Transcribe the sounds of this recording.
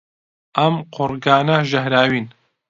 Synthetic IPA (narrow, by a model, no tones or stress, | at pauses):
ʔɐmqʰʊɾɡaːnɐʒɐɦɾaːwiːn